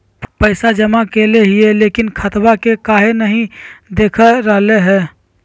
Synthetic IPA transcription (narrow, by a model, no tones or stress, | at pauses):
pəɪsad͡ʒəmakeleɦijelekinkʰət̪bakekaɦenəɦĩd̪ekʰəɾəɦleɦɛ